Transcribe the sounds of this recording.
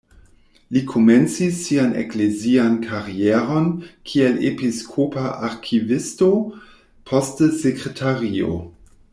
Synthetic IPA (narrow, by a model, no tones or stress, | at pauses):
likʰome̞nt͡sisːianḛkleziankʰaɾieɾo̞nkʰielepiskʰopaʔaɾkʰivisto | pʰostsekɾetʰaɾio̞̰